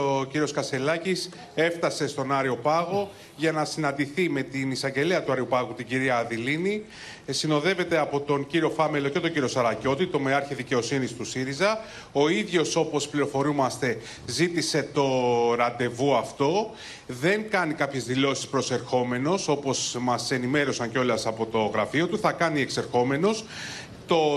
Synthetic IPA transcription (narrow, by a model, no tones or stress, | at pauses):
ociɾio̞skɐse̞lɐcis | e̞ft̪ɐse̞st̪o̞nɐɾio̞pɐɣo̞ | ʝɐnɐsinɐnd̪iθime̞t̪inisɐɲɟe̞liɐt̪uɐɾiopɐɣut̪iɟiɾiɐːðilini | sino̞ðe̞ve̞t̪e̞ɐpo̞t̪o̞nciɾio̞fɐmelo̞ce̞t̪o̞ɲɟiɾio̞sɐɾɐco̞t̪it̪o̞meɐɾçɐðice̞o̞sinist̪usiɾizɐ | o̞iðʝo̞so̞po̞spliɾo̞fo̞ɾumɐst̪e̞ | zit̪ise̞t̪o̞ɾɐd̪e̞vuɐft̪o̞ | ðe̞ŋkɐnikɐpçe̞zðilo̞si̥spɾo̞se̞ɾxo̞me̞no̞so̞po̞smɐse̞nime̞ɾo̞sɐɲceo̞lɐsɐpo̞t̪o̞ɣɾɐfio̞t̪uθɐkɐnie̞kseɾxo̞me̞no̞s | t̪o̞